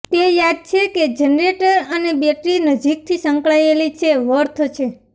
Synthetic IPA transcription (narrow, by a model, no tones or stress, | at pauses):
t̪ejad̪̚t͡ʃʰeked͡ʒənɾeʈəɾənebeʈɾinəd͡ʒik̚t̪ʰisə̃ŋkɭaelit͡ʃʰeʋəɾt̪ʰt͡ʃʰe